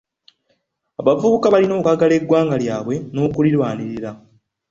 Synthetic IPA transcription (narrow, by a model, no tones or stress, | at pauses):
aβavuβukaβalino̞ːkaɡale̞ɡːwaːŋɡaljaːβwe̞no̞ːkulilwaːniɾiɾa